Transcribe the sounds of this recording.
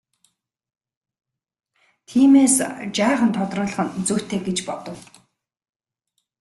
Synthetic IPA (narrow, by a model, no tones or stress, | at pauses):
t̪ʰiːmeːst͡ɕaːχə̆nt̪ʰɔt̪rʊːɮə̆χə̆nt͡suwʰt̪ʰeːɡet͡ɕpɔt̪ɞ̆w